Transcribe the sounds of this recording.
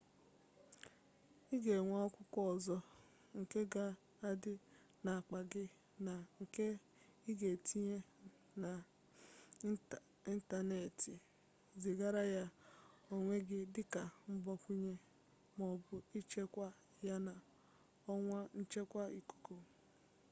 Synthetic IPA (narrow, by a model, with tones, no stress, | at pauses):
i˦ɡe˨ŋʷa˦ɔ˦kʷʊ˦kʷɔ˦˨zɔ˦ | ŋ̩˨ke˦ɡa˦ | a˦dɪ˦ | na˨a˨k͡pa˨ɡɪ˦ | na˨ŋ̩˨ke˦ | i˦ɡe˨tʰi˦ɲe˦ | na˨ | i˦n̩˦ta˨ne˨tɪ˨ | zɪ˨ɡa˦ɾa˦ja˦o˦ŋʷe˦ɡɪ˦dɪ˦ka˨m̩˦bɔ˦kʷu˦ɲe˦ | mɔ˨bʊ˨i˦t͡ʃe˦kʷa˦ | ja˦na˨ | ɔ˦ŋʷa˦n̩˦t͡ʃe˦kʷa˦i˨ko̥˨ko˨